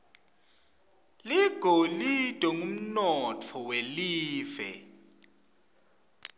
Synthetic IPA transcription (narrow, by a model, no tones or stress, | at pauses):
liɡ̥ʱolid̥ʱɔŋum̩nɔtʰɔweliːvɛ̰